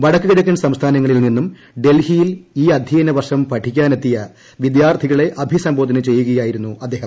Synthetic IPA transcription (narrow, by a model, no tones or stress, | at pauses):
ʋɐɽɐkːɨɣɐɽɐkʲːunsɐmst̪ʰaːnɐŋːɐɭilninːum | ɖe̞lhijiliːɐd̪ʱjijɐnɐʋɐrʂɐmpɐʈʰikʲːaːnet̪ːijɐ | ʋid̪jaːrt̪ʰiɣɐɭe̞ʔɐbʱisɐmbʱoːd̪ɐnɨt͡ɕe̞jːuɣɐjaːjiɾunːuɐd̪ːeːhɐmm